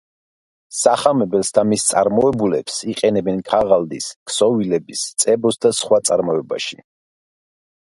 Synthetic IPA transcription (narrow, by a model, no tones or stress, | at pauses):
saχamɛbɛlˠsd̪amist̪sʼa̰ɾmɔɛbulɛpsiqʼɛnɛbɛnkʰaʁald̪iskʰsɔvilɛbist̪sʼɛbɔsd̪asχwat̪sʼaɾmɔɛba̰ʃi